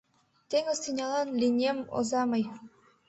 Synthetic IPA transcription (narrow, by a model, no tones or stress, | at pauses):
t̪eŋɤ̆st̪inʲɑlˠɑnlʲinʲemo̰zɑmɤj